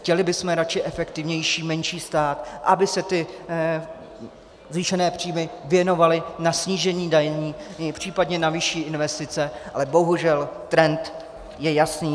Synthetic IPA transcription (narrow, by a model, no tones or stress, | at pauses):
xcɛlɪbɪsmɛɾat͡ʃɪʔɛfɛkt̪ɪvɲɛjʃiːmɛnʃiːst̪aːt̪ʔabɪsɛt̪ɪ | zviːʃɛnɛːpr̝̥iːmɪvjɛno̞valɪnasɲiːʒɛɲiːdajɲiːpr̝̥iːpadɲɛnavɪʃiːʔɪnvɛst̪ɪt͡sɛʔalɛbo̞ɦuʒɛlt̪ɾɛnt̪ | jɛjasniː